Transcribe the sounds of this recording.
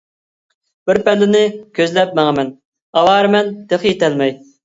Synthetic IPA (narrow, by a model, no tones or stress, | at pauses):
b̥ɪɾpɛlːɪnɪkʲʰøzlɛp̚mæŋəmɛn | ɑwɑːɾɨmɛnt̪ʰeχjet̪ʰɛlmɛj